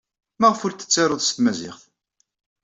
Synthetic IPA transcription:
mæʁəfʊɾt̪ːə̥t͡sːɑɾˤoðˤst̪mæzɪ̰χθ

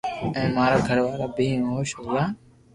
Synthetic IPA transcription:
ɛ̃ːmaːɾaːɡʱəɽʋaːlaːbʱĩːɦoːʃɦoːɡaː

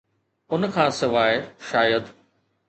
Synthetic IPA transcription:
ʊnkʰãːsɪʋaːeʃaːjəd̪

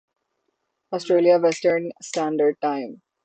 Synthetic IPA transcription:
ɔːsʈɾeːlijaʋɛsʈəɾnsʈæ̃ɳɖəɾɖ̚ʈãɪ̃m

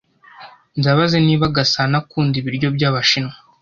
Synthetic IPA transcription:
nzaβazeniːβaɡasanakuːndiβiɾɟo̞bɟaːβaʃino

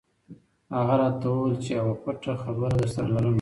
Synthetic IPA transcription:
haɣaɾɑt̪awəwəlt͡ʃeawakaʈaxabəɾad̪əɾsaɾalaɾən

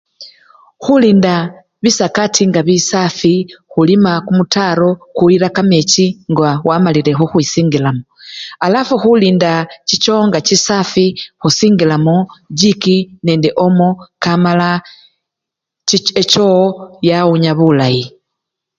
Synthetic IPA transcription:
xuliːnda | βisakatʰiŋɡaβisafixulimakumutaɾo̞kuiɾakamet͡ʃiŋɡawamalile̞xoxwisiːŋɡilamoalafuxuliːndacit͡ʃo̞ŋɡat͡ʃisafixusiːŋɡilamoɟikine̞ːndeʔo̞mokamala | et͡ʃojauɲaβulaji

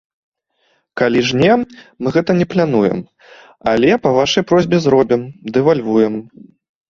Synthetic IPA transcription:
kalʲiʐnʲɛmɨɣɛt̪ɐnʲɛplʲanujɛ̰m | alʲɛpɐvaʂɐjpɾɔzʲbʲɛzɾɔbʲimd̪ɛvalʲvujɛm

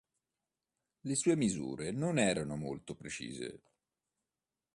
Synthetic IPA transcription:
lesuːemizṵːɾenonɛːɾanomo̰lt̪opɾet͡ʃḭːzḛ

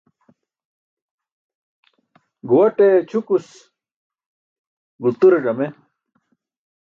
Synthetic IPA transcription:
ɡuwɐʈet͡ɕʰukus | ɡult̪uɾeʐɐme

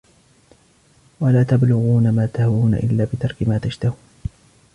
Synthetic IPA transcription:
walaːt̪ablʊɣuːnamaːt̪ahawuːna̰ʔɪ̰lːaːbɪt̪ɑɾˤkɪmaːt̪aʃt̪ahuːn

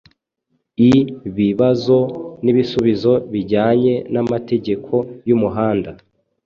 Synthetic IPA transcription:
iβiβazo̞niβisuβizo̞βiɟaːɲe̞namate̞ɟe̞kʰo̞jumuɦaːnda

